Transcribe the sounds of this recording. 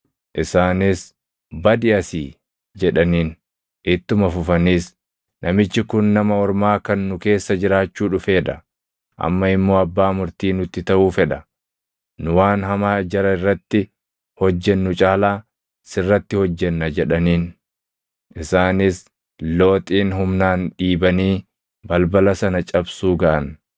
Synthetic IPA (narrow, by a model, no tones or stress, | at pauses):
ʔɪsaːnɪs | bɐd̪ɪɐsḭː | d͡ʒɛᶑɐniːn | ʔɪt̪ːʊmɐfʊfɐniːs | nɐmɪt͡ʃːɪkʊnːɐmɐɔɾmaːkɐnːʊke̞ːsːɐd͡ʒɪɾaːt͡ʃːuːᶑʊfe̞ːᶑɐ | ʔɐ̰mːɐɪmːo̞ːɐbːaːmʊɾt̪iːnʊt̪ːɪt̪ɐʔuːfɛᶑɐ | nʊwaːnɦɐmaːd͡ʒɐɾɐɪrːɐt̪ːɪ | hɔd͡ʒːɛnːʊt͡ʃʼaːlaː | sɪrːɐt̪ːɪhɔd͡ʒːɛnːɐd͡ʒɛᶑɐniːn | ʔɪsaːnɪs | lo̞ːt̪ʼiːnɦʊmnaːnɗiːbɐniː | bɐlbɐlɐsɐnɐt͡ʃʼɐbsuːɡɐʔɐn